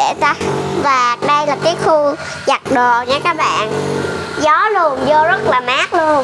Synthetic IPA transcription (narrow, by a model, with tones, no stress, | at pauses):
ɗḛ˧˩ta˨˦vaː˨˩ɗə˧jlaː˨˩kaː˨˦jxu˧ | za˨˩k̚ɗo˨˩ɲaː˨˦kaː˦˥k̚ɓa̰ː˧˨nzɔ˨˦lu˧ənzo˧zə˦˥t̚laː˨˩maː˦˥k̚lu˧ən